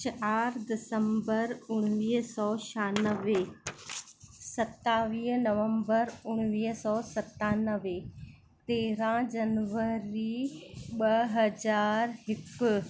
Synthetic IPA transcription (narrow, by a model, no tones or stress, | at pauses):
t͡ʃaːɾd̪ɪsəmbəɾʊɽ̃ʋiːɦsɔːʃaːnəʋe | sɐt̪aːʋiːɦnɐʋə̃mbəɾʊɽ̃ʋiːɦsɔːsɐt̪aːnəʋe | t̪eːɾãd͡ʑɐnʋəɾiɓɐɦɐd͡ʑaːɾɦɪkʊ